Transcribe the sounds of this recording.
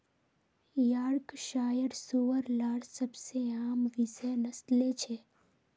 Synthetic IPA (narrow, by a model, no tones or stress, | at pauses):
jaːɽkʃaːjəɽsuʋəɾlaːɽsəbseaːmʋɪzənəst̪let͡ʃʰeː